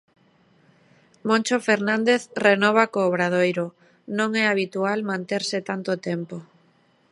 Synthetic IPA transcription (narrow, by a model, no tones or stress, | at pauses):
mõnʲt͡ʃofeɾnãnd̪eθrenɔβ̞akoːβɾað̞ojɾo | nõŋɛaβ̞it̪ualmãnt̪eɾsɪt̪ant̪ot̪ɛmpo